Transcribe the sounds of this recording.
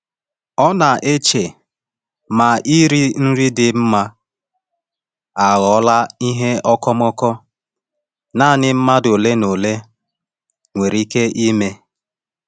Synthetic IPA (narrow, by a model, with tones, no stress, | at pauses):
ɔ˦na˨ʔe˦t͡ʃe˨ | ma˨ʔi˦ɾi˦n̩˦ɾi˦dɪ˨m̩˦ma˦ | a˨ɣɔ˨˦la˦i˦ɦe˦ɔ˦kɔ˦mɔ˦kɔ˦ | na˦˨nɪ˨m̩˦ma˦do˨le˦no˨le˦ | ŋʷe˨ɾi˦ke˦ʔi˦me˦